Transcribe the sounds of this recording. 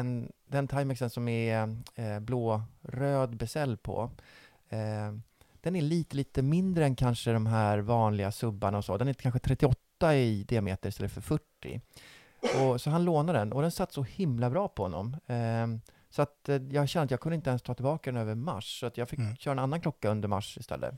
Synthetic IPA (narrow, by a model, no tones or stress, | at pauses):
ɛnd̪ɛnt̪ʰajmɛksənsɔmɛ | bloːɾøːd̪bɛsɛlːpʰɔ̰ | d̪̥ɛnæɭiːt̪əliːt̪əmɪnd̪ɾəɛnkʰanʂəd̪ɔmɦæːɾvɑːnlɪɡasɵbːaɳaɔsɔ̰ːd̪ɛnæɾkʰanɧət̪ʰɾɛt̪ːɪɔt̪ːaɪd̪ɪamḛːt̪əɾɪst̪ɛlːəfœɾfœʈːɪ̰ | ɔsɔɦanloːnad̪ɛnʔɔd̪ɛnsat̪ːsɔhɪmlabɾɑːpʰɔhɔ̰nːɔ̰m | sɔat̪jɑːɡɕɛnəat̪jɑːɡkʰɵnd̪ɪnt̪əɛnst̪ʰɑːt̪ɪlbɑːkad̪ɛnøːvəɾma̰ʂsɔat̪jɑːɡfɪkɕœːɾaɛnanːankʰlɔkːaɵnd̪əɾma̰ʂɪst̪ɛ̰lːə̰